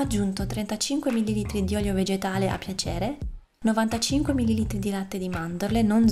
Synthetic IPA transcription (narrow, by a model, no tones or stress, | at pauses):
ad͡ʒːunt̪ot̪ɾɛnt̪at͡ʃiŋkwemilːiliːt̪ɾid̪iɔljoved͡ʒet̪aːleʔa̰pːjat͡ʃɛːɾe | novant̪at͡ʃiŋkwemilːiliːt̪ɾid̪ilat̪ːed̪imand̪oɾlenon